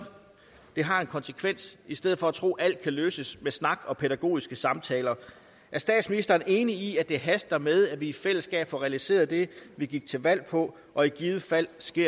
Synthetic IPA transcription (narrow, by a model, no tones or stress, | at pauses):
d̥e̝ɦɑ̈e̝nkʰɒ̽nsə̥kʰʋen̰sisd̥eð̰̩ˠfɒ̽æt͡sʰʁo̝̰ːʔæl̰d̥̚kʰæløːsəsmesnɑ̈ɡ̥ɒ̽pʰeɾæɡ̥o̝̰ːisɡ̥əsɑ̈mt͡sʰɛːlɐ | ʔæɐsd̥ɛ̰ːd̥sminisd̥ɐːne̝ːniiæd̥e̝ɦæsd̥ɐmeð̞ˠæʋiːfel̰əsɡ̥ɛ̰ːb̥fɒʁɛælise̝̰ːɐðˠd̥e̝ʋiɡ̥iɡ̥̚t͡sʰe̝ʋæl̰pʰɒ̽ | ʔɒ̽iɡ̥iːð̩ˠəfæl̰sɡ̥e̝ɐ̰